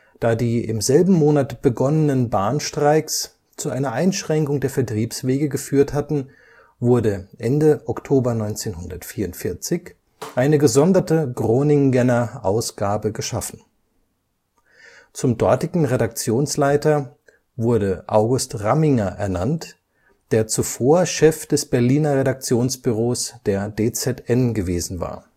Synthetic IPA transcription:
d̥aːdiːɪ̰mzɛlbm̩moːnatb̥əɡɔnənənbaːnʃtʁ̥aɪks | t͡suʔaɪnɐʔaɪnʃʁ̥ɛŋkʊŋdeːɐfɛɐtʁ̥iːpsv̥eːɡəɡəfyːɐthatn̩ | vʊɐdəʔɛndəʔɔktʰoːbɐnɔʏnt͡seːnɦʊndɐtfiːɐʊntfɪɐt͡sɪç | ʔaɪnəɡəzɔndɐtəɡʁoːnɪŋɡɛnɐʔaʊsɡ̥aːbəɡəʃafn̩ | t͡sʊmdɔɐtɪɡŋ̩ʁedak̚t͡sjoːnslaɪtɐ | vʊɐɾəʔaʊɡʊstʁamɪŋɐʔɛ̰ɐnant | d̥eːɐt͡sufoːɐʃɛfd̥ɛsb̥ɛɐliːnɐʁedak̚t͡sjoːnsb̥yʁoːsd̥eːɐdeːt͡sɛtʔɛnɡəveːzn̩va̰ːɐ

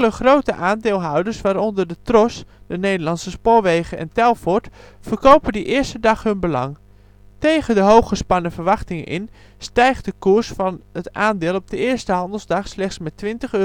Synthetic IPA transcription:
ləχrowtəʔaːndɪːlˠɦawdəɹsʋaːɾɔndərdətrɔsd̥ənejdərlɑnsəspʊːɹʋejɣəʔɛ̰ntɛlˠfɔɹtfərkowpədəʔɪːəɹstədɑχɦɵnbəlɑ̰ŋ | tejɣədəɦowxχəspɑnəfərʋɑχtɪŋəʔɪ̰n | stɛjχtdəkuɹsfɑnətʔaːndɪːlˠɔb̚dəɪːɹstəɦɑndəl̩ˠzdɑχslɛχtsmɛtːʋɪntəχø

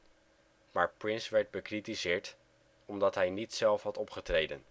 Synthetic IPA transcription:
maːɹprɪnsʋɛɹd̚bəkritizɪːɹt | ɔmdɑtɦɛjnitsɛlˠfɦɑtɔpχətrejdən

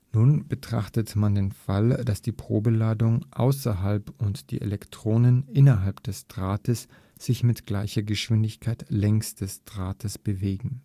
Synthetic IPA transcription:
nuːnbətʁ̥a̰χtətmandeːnfald̥asd̥iːpʁ̥oːbəlaːdʊŋʔa̰ʊsɐɦalpʊntd̥ḭːʔḛlɛktʁ̥oːnənʔɪnɐɦalpd̥ɛstʁ̥aːtəs | z̥ɪçmɪtɡ̥laɪçɐɡəʃv̥ɪndɪçkʰaɪtlɛŋstd̥ɛstʁ̥aːtʰəsb̥əveːɡŋ̩

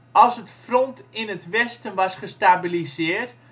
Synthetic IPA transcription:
ɑlˠsətfrɔntɪnətʋɛstənʋɑsχəstabilizɪərt

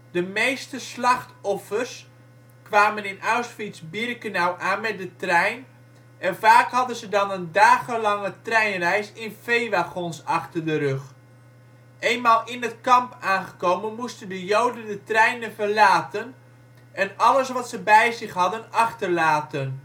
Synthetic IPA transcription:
dəmejstəslɑχtɔfərs | kʋaːmənɪnʔaɥsfitzbɪrkənawʔaːnmɛt̚dətrɛjn | ɛnvaːkɦɑdənzədɑnəndaːχəlɑŋətrɛjnrɛjsɪnfejʋaχɔnsɑχtərdəɾɵχ | ʔejnmaːlˠɪnətkɑmpaːnχəkowmənmustəndəjowdəndətrɛjnənvərlaːtən | ʔɛnɑləsʋɑtsəbɛjzɪχɦɑdənɑχtərlaːtən

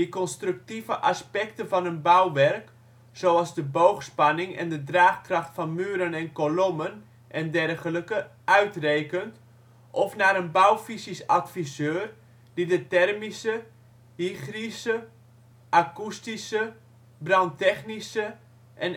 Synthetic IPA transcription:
ikɔnstryk̚tivəʔaspɛk̚təvɑnənbawʋɛrk | soɑlˠzdəbowxspɑnɪŋɛ̰ndədraːxkrɑxtfɑnmyːɾənɛnkolomən | ʔɛndɛrɣələkəʔœɥtreːkənt | ʔɔfnaːɾənbawfisisatfisøːr | d̥idətɛrmisə | hixrisə | ʔakustisə | brɑntɛχnisə | ʔɛn

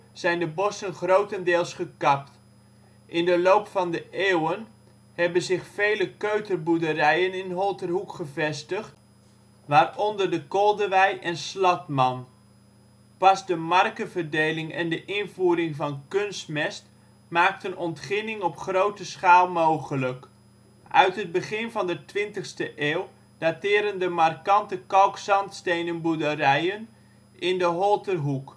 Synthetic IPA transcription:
z̥ɛjndəbɔsənχrowtəndɪːlˠsχəkɑp̚t | ʔɪndəlowpfɑndəʔeːwən | hɛbənzɪχfejləkøɥtərbudərɛjənɪnɦɔlˠtərɦukχəvɛstəχt | ʋaːrɔndərdəkɔlˠdəʋɛjʔɛnslɑtmɑn | pɑzdəmɑrkəvərdejlɪŋɛndəʔɪnvuːɾɪŋvɑnkønstmɛst | maːktənɔntχɪnɪŋɔpχrowtəsχaːlˠmowχələk | ʔœɥtɦəd̚bəχɪnvɑndətʋɪntəχstəʔeːlˠ | d̥atɪːɾəndəmarkɑntəkɑlksɑntstejnənbudərɛjən | ʔɪndəɦɔlˠtərɦuk

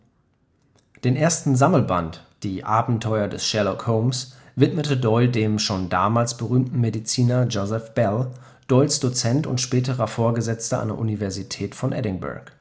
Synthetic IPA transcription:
d̥eːnʔeːɐstn̩zaml̩bantd̥iːʔaːbm̩tʰɔʏɐdɛsʃɛlokhoːms | vɪtmətədɔʏldeːmʃoːndaːmaːlsb̥əʁyːmtn̩medit͡siːnɐd͡ʒozɛfb̥ɛl | d̥ɔʏlsd̥ot͡sɛntʊ̰ntʃpɛːtəʁɐfoːɐɡəzɛt͡stəʔa̰ndeɛɐʔunivɛɐzitʰɛːtfɔnʔɛ̰dɪŋbɛ̰ɐk

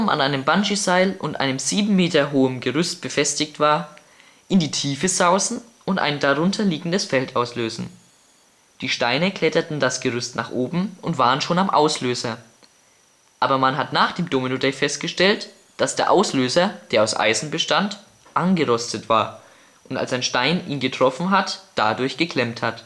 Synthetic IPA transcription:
ma̰nʔaɪnəmbanʒizaɪlʊntʔa̰ɪnəmziːbm̩meːtɐɦoːəmɡəʁʏst̚b̥əfɛstɪçtv̥aːɐ | ʔɪndiːtʰiːfəzaʊsn̩ | ʔʊntʔa̰ɪndaʁʊntʰɐliːɡŋ̩dəsfɛltʔaʊsløːzn̩ | d̥iːʃtaɪnəkl̥ɛtɐtn̩dasɡ̥əʁ̞ʏstna̰ːχʔoːbm̩ʊntv̥aːʁənʃoːnamʔa̰ʊsløːzɐ | ʔaːbɐmanɦatnaːχd̥eːmdoːminodɛfɛst̚ɡ̥əʃtɛlt | d̥asd̥eːɐʔaʊsløːzɐd̥eːɐaʊsʔa̰ɪzn̩bəʃtant | ʔanɡəʁɔstətv̥a̰ːɐ | ʔʊnta̰lsaɪnʃtaɪnʔiːnɡətʁ̥ɔfn̩ɦatd̥adʊɐçɡ̥əkʰl̥ɛmthat

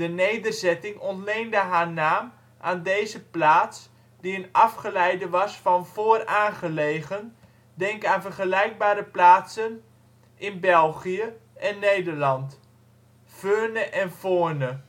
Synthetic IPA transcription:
d̥ənejdərzɛtɪŋɔntlejndəɦaːɹnaːm | ʔaːndejzəplaːts | diənɑfχəlɛjdəʋɑsfɑnv̥oːraːnχəlejχən | dɛŋkaːnvərχəlɛjɡ̚baːɾəplaːtsən | ʔɪnbɛlˠχijəʔɛnːejdəɹlɑnt | føːnəʔɛnfoːɹnə

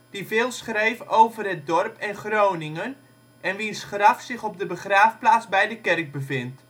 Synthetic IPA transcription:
d̥ivɪːlˠsχrejvəʔowvərɦɛt̚dɔrpʰɛnχrownɪŋən | ʔɛnʋisχrɑfsɪχɔb̚dəbəχraːfplaːt͡sbɛjdəkɛrk̚bəvɪnt

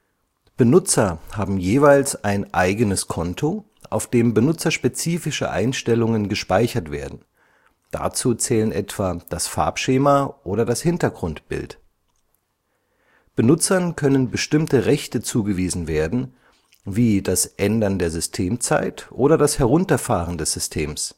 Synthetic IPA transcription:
b̥ənʊt͡sɐhaːbm̩jeːvaɪlsʔaɪnʔaɪɡənəskʰɔntʰo | ʔaʊfd̥eːmbənʊt͡sɐʃpet͡siːfɪʃə̰ʔa̰ɪnʃtɛlʊŋənɡəʃpaɪçɐtv̥ḛːɐdn̩ | d̥a̰t͡suːt͡sɛːlənʔɛtv̥aːd̥asfa̰ɐpʃeːmaʔoːɾɐdashɪntɐɡʁʊntb̥ɪ̰lt | b̥ənʊt͡sɐnkʰœnənbəʃtɪmtəʁɛçtət͡suːɡəviːzn̩veːɐdn̩ | viːdasʔɛndɐndeːɐzʏstʰeːmt͡sa̰ɪtʔoːɾɐdashɛʁʊntɐfaːʁəndɛsz̥ʏstʰeːms

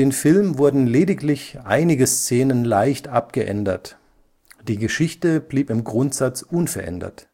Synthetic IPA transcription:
eːnfɪlmvʊɐdn̩leːdɪklɪçʔa̰ɪnɪɡəst͡seːnənlaɪçtʔap̚ɡ̥əʔɛ̰ndɐt | d̥iːɡəʃɪçtəb̥liːpɪmɡʁʊntz̥at͡sʔʊnfɛɐʔɛ̰ndɐ̰t

